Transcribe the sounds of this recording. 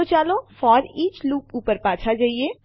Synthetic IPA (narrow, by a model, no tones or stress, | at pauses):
ot͡ʃaːlõfɔːɾiːt͡ʃluːkuːpəɾpãːt͡ʃʰad͡ʒaːie